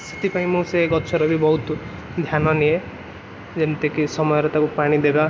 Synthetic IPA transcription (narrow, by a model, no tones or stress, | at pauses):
se̥t̪ipaĩmũseɡɔt͡ʃʰɔɾɔbʱibɔɦut̪ | d̪ʱjanɔnie | d͡ʒent̪ekisɔmɔjɔɾet̪akupaɽ̃id̪eɾa